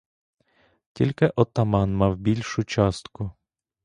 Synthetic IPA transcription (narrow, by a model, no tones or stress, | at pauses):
tʲilʲkɛʔɔt̪amɑnmɑwbʲilʲʃut͡ʃɑst̪ku